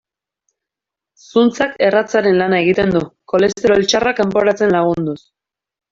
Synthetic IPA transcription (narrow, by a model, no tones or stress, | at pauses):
sunt͡sake̞rat͡saɾe̞nlanae̞ɣ̞it̪e̞nd̪uko̞le̞st̪eɾo̞lt͡ʃarakampo̞ɾat͡se̞nlaɣ̞und̪us